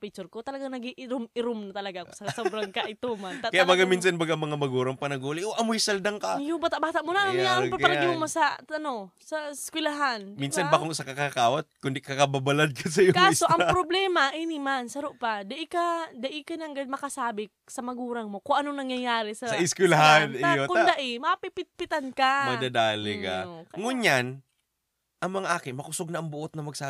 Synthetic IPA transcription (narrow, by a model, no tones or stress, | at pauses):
pit͡ʃʊɾkot̪ɐlɐɡaŋnɐɡiʔɪɾʊmɪɾʊmnɐt̪ɐlɐɡaʔksɐsobɾɐŋkɐʔɪt̪omank̪atkɐjaʔbaɡamiːnsɐnbɐɡamɐŋamɐɡuːɾɐŋpɐnɐɡuːlɪʔoʔɐmojisɐld̪aŋkajʊŋbaːt̪aʔbaːt̪aʔmonaʔnamjaʔɐpɐlɐɪmomosɐɐno̞sɐskwɪlaɦanminsɐnbaːkoŋsɐkɐkakaːwat̪̚kʊnd̪ikɐkɐbabɐlad̪̚kɐsɐjokaːsoʔɐŋpɾoblɛːmɐʔinimansɐɾoʔpad̪ɐʔikad̪ɐʔikɐnɐŋɡad̪̚mɐkɐsaːbɪ | sɐmɐɡuːɾɐŋmo̞koŋʔɐnoŋnɐŋjɐjaːɾɪsɐsɐɪskwɛlaɦanokʊnd̪aʔɪmɐpɪpɪt̪̚pɪt̪ankamɐd̪ɐd̪aːlɪka̰ŋʊɲan | ʔɐŋmɐŋaʔaːkɪnmɐkʊsoɡ̚nɐʔɐŋbʊʔot̪nɐmɐɡ̚saː